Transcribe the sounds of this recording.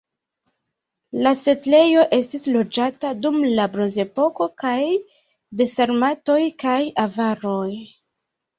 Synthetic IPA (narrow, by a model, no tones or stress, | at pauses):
lase̞tle̞jo̞ʔe̞stislo̞d͡ʒatadumlabɾo̞nze̞po̞ko̞kaj | de̞seɾmato̞jkajavaɾo̞j